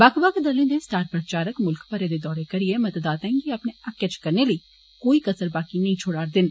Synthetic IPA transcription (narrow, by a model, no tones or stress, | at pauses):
baːkbaked̪ɐlẽd̪esʈaːɾpɾət͡ʃaːɾəkmʊlkpɐɾed̪ed̪ɔːɾekɐɾiemɐt̪əd̪aːt̪ɛ̃ŋɡiɐpneɐkːət͡ʃkɐɾnelɐi | koːikɐsəɾbaːkinɐɦĩt͡ʃʰoːɽaːɾd̪ɪn